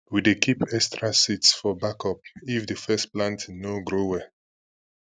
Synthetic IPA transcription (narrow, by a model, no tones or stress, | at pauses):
widekʰipɛkstɹasitsfɔbakɔp̚ifdəfɛsplãntnoɡɹowɛ